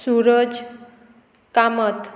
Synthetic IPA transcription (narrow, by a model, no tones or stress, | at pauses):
suɾəd͡z | kamət̪